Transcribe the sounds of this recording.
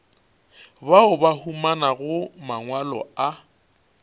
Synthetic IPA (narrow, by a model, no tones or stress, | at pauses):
baʊbahumanaɣʊmaŋwalɔ̰a